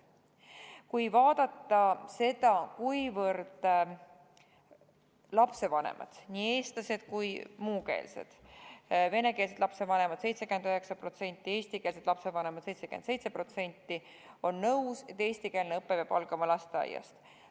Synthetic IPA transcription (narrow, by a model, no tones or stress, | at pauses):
kujvɑːd̪̥ɑt̪ːɑse̞d̪̥ɑkujvɤrd̪̥ | lɑpse̞vɑnḛmʔɑ̰d̪̥nʲiːe̞ːst̪lɑse̞d̪̥kujmuːke̞̰ːlse̞̰d̪̥ | ve̞ne̞ke̞ːls̬e̞d̪lɑpse̞vɑne̞mɑd̪̥se̞jt̪sekymend̪øɦe̞ksɑpro̞t̪se̞nʲt̪ːˑie̞ːst̪ike̞ːls̬ed̪lɑpse̞vɑne̞mɑd̪̥se̞jt̪se̞kymense̞jt̪se̞pro̞t̪se̞nʲt̪ːi | o̞nːɤwse̞t̪ːe̞ːsʲt̪ike̞ːlneɤpːe̞pjɑbɑlɡ̥ɑmɑlɑst̪eɑ̰jɑ̰st̪